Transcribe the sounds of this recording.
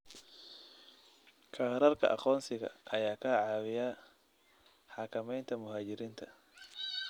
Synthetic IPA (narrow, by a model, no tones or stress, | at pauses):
kʰaːɾɐrkʰɐ̰ʔɑ̰qɔːnsɪɣɐ̰ʔɐjaːkʰɐʕɑːwɪjaː | ħɑkʰɐmɛjnt̪ʰɐmʊɦaːt͡ʃɪɾiːnt̪ʰɐ̥